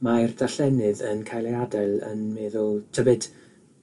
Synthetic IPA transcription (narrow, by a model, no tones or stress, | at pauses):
majrdaɬɛnɨðənkʰajlˠeadɛlˠə̰nmeːðʊlˠtʰəbɨd̥